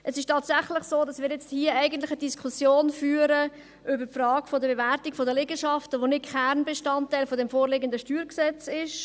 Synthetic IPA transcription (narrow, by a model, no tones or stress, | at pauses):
ʔəsɪʃtɑːtsæχlɪχsoːdɑsmɪːɾjɛt͡sthiːəʔɛɪɡən̩tlɪχədiskʰusjoːnfyːɾə | ʔʏbəɾpfrɑːɡfɔdəbevæɾtikfodəlɪɡəʃɑftəʋonɪt̚kʰɛɾnbeʃtɑntːɛɪlfɔdɛmfoːɾlɪɡəndəʃtyːɾksɛt͡sɪʃ